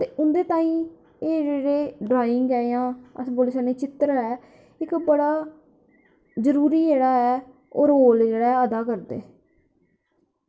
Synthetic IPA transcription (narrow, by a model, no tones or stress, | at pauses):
t̪eːʔʊnd̪eːt̪ãːĩː | eːd͡ʒeːɽeːɖɾaːjɪŋɡɛːjãːə̰sboːlɪsãːneːt͡ʃɪt̪ɾɛː | ɪkbəɽaː | zəɾuːɾiːd͡ʒeːɽaːɛː | o̰ːɾɦoːld͡ʒeːɽɛːəd̪aːkəɾd̪ḛː